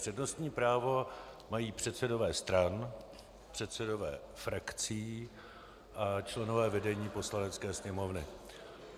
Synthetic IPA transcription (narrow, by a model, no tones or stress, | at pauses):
r̥ɛdno̞st̪ɲiːpɾaːvo̞ | majiːpr̥ɛt̪sɛdo̞vɛːst̪ɾan | pr̝̥ɛt̪sɛdo̞vɛ̰ː | fɾakt͡siː | ʔat͡ʃlɛno̞vɛːvɛdɛɲiːpo̞slanɛt͡skɛːsɲɛmo̞vnɪ